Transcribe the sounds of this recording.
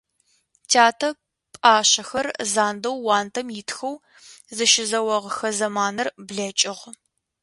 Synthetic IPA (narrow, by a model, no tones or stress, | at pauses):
tʰaːtʰɐ | pʼaːɕɐxɐrzaːndɐwːaːntʰɐmjɪtxɐw | zɨʃɪzɐwɐʁxɐzɐmaːnɐrbɮɐt͡ʃʼɪʁ